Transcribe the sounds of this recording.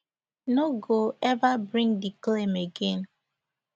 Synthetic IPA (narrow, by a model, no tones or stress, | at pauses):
noɡoɛvabɾĩŋdiklemeɡen